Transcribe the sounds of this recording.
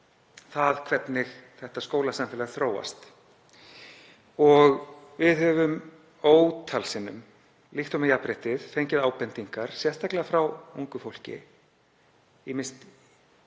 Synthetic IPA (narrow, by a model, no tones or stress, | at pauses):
θaðkʰvɛt̪nɪɣθɛht̪askoːwlasamfɛːlaθɾoːwa̰st̪ | ɔɣ | vɪðhœvʏm | oːwt̪ʰalsɪnːʏ̰m | lixt̪ɔmajapɾɪht̪ɪðfejɲcɪðaːwpɛnt̪iŋkaɾ̥sjɛr̥t̪aklɛɣafɾawuŋkʏfowl̥cɪ̰ | imɪnst̪